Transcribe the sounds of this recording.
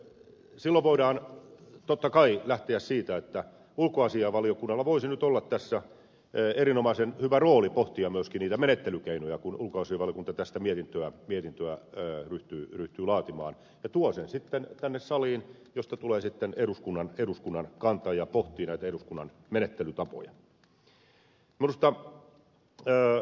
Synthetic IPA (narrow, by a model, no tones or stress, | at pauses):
silːoʋʋoidɑːnt̪ot̪ːɑkɑilæht̪eæssiːt̪æet̪ːæ | ulkoɑsiɑʋɑliokunːɑlːɑʋoisinyt̪olːɑt̪t̪æsːæ | eɾinomɑsenhyʋæroːlipoht̪iɑmyøskinniːt̪æmenet̪ːelykeinojɑkunulkoɑsiɑʋɑlijokunt̪ɑt̪æst̪æmiet̪int̪øæmiet̪int̪øæːryht̪yːryht̪yːlɑːt̪imɑ̰ːn | jɑt̪uɑsensit̪ːent̪ænːessɑliːn | jost̪ɑt̪uleːsit̪ːeneɾuskunːɑneduskunːɑnkɑnt̪ɑjɑpoht̪ˑiːnæit̪æeɾuskunːɑn | menet̪ːelyt̪ɑpo̰jɑ̰ | minust̪ɑ